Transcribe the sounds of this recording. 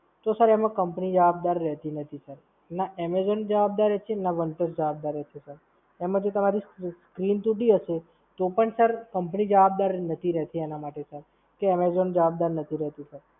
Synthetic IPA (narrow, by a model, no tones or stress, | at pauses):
t̪osəɾɛmãkəmpnid͡ʒəʋab̚d̪aɾːɛɦt̪inət̪ʰisəɾ | naɛmezond͡ʒəʋab̚d̪aɾet͡ʃʰenaʋəɳʈəsd͡ʒəʋab̚d̪aɾɛt͡ʃʰesəɾ | ɛmãd͡ʒot̪əmaɾisskɾint̪uʈiɦəʃe | t̪opəɳsəɾkəmpnid͡ʒəʋabd̪aɾnət̪ʰiɾɛɦt̪ienamaʈesəɾ | keɛmezond͡ʒəʋab̚d̪aɾnət̪ʰiɾɛɦt̪isəɾ